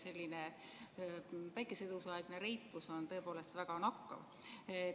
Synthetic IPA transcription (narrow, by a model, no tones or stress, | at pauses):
se̞lʲːine | pæjkˑesed̪̥usɑeɡ̥neɾejpˑːuso̞nt̪ɤ̞epo̞ːle̞st̪væɡ̥ɑnɑkːɑ̰v